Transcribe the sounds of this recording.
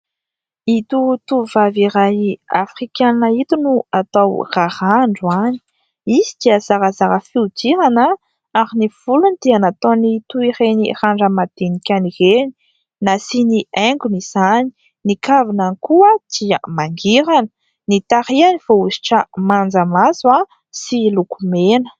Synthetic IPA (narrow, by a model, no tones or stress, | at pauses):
it̪ut̪uvaviɾajiafrikannait̪unuat̪awrahaɳɖ͡ʐuani̥ | isi̥d̪̥iəzaɾəzaɾəfiud̪iɾanə | aɾiniv̥ulunid̪̥eanat̪onit̪uireniraɳɖ͡ʐəmad̪̥enikʲanireni̥ | nasinieŋɡunizani̥ | nikavinanikuəd̪̥iə̰maŋɡiɾanə̥ | nit̪aɾianiv̥ouzi̥ʈ͡ʂəmand͡zəmazua | silukumenə̥